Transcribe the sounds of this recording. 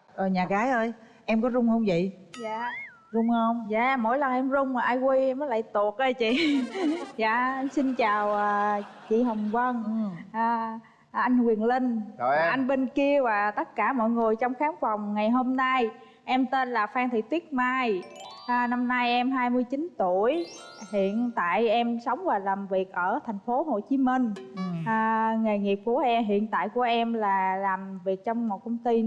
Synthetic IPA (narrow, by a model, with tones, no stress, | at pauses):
ʔəː˨˩ɲaː˨˩ɣaː˨˦jʔəː˧j | ʔɛ˧mkɔ˨˦zʊ˧wŋ͡mhə˧wŋ͡mzə̰˧˨jzaː˧˨ | zʊ˧wŋ͡mhə˧wŋ͡mza̰ː˧˨mo̰˧˥˦jlə˨˩ŋʔɛ˧mzʊ˧wŋ͡mmaː˨˩ʔaː˧jkwi˧ʔɛ˧mːəː˨˦la̰ː˧˨jt̪u˨˩ək̚ʔə˧jt͡ɕḭ˧˨ | za̰ː˧˨˧si˧nt͡ɕaː˨˩wʔəː˨˩ | t͡ɕḭ˧˨ɦə˨˩wŋ͡mvə˧nʔaː˨˩ | ʔa˧jŋ̟kwi˨˩ənli˧ŋ̟ʔa˧jŋ̟ɓe˧nki˧əvaː˨˩t̪ə˦˥t̚kaː˧˩mɔ̰˧˨jŋɨ˨˩əjt͡ɕɔ˧wŋ͡mxaː˨˦ŋva˨˩wŋ͡mŋa˨˩jɦo˧mna˧j | ʔɛ˧mt̪e˧nlaː˨˩faː˧ŋt̪ʰḭ˧˨t̪wi˦˥ət̚maː˧jʔna˧mna˧jʔɛ˧mɦaː˧jmɨ˧əjt͡ɕi˨˦nt̪u˧˩˨əj | hḭ˧˨ənt̪a̰ː˧˨jʔɛ˧msə˨˦wŋ͡mvaː˨˩laː˨˩mvi˨˩ək̚ʔəː˧˩t̪ʰa˨˩jŋ̟fo˨˦ɦo˨˩t͡ɕi˨˦mi˧ŋ̟ʔːŋe˨˩ŋi˨˩p̚ku˧˩əʔɛ˧mɦḭ˧˨ənt̪a̰ː˧˨jku˧˩əʔɛ˧mlaː˨˩laː˨˩mvi˨˩ək̚t͡ɕɔ˧wŋ͡mmo˨˩t̚kə˧wŋ͡mt̪i˧